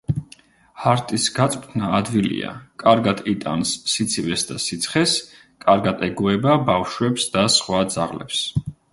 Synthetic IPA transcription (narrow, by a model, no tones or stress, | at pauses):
haɾt̪ʼisɡat̪sʼt̪ʰnaːd̪vilḭa̰kʼaɾɡad̪ʰit̪ʼa̰nsːit̪sʰivɛsd̪asit̪sʰχɛs | kʼaɾɡat̪ʰʼɛɡuɛbabafʃwɛpsd̪asχwad̪zaʁlɛ̰ps